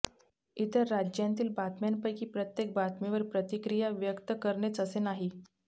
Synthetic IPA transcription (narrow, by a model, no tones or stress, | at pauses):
it̪əɾːad͡ʑjãnt̪iːlbat̪mjanpəjkiːpɾət̪jek̚bat̪miʋəɾpɾət̪ikɾijaʋjəkt̪əkəɾɳet͡səsenaɦi